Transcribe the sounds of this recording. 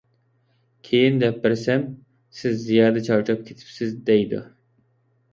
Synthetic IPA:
kʲʰejind̪ɛp̚bɪɾsɛm | sɪzːijɑːd̪ɛt͡ʃʰɑwt͡ʃʰɑp̚kʲʰe̥t̪ʰɪ̥psɪzd̪ɛjd̪ṵ

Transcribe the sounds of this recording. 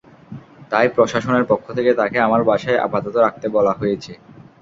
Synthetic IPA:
t̪ajpɾoʃaʃoneɾpokʰːot̪ʰeket̪akeamaɾbaʃaeʔa̰pat̪ot̪oɾak̚t̪ebɔlaɦojet͡ɕʰe

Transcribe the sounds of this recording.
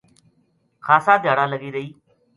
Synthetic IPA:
xʰaːsãːd̪ʱjaːɽãːləɡiːɾəiː

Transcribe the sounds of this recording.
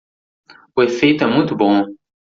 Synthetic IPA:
uefejt̪ɛmũt̪ubɔ̃

